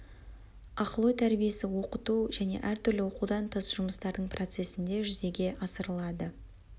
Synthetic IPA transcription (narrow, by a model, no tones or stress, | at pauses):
ɑqəlˠojt̪ʰæɾbije̞sɪwo̞qət̪uʒæne̞̰ʔæɾt̪ʰʏɾlɪwo̞qud̪ɑnt̪ʰəzʒʊməst̪ɑɾd̪əɴprʔo̞t̪se̞sɪnd̪e̞ʒʏze̞ɡʲe̞ʔɑsəɾəlˠɑd̪ə